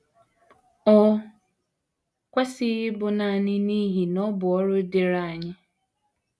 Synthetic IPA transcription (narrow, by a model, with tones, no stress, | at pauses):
ɔ˦ | kʷe˦sɪ˦ɪ˦bʊ˨na˨ɲɪ˦ni˦ɦi˨nɔ˦bʊ˨ɔ˦ɾʊ˦dɪ˨ɾa˨a˨ɲɪ˦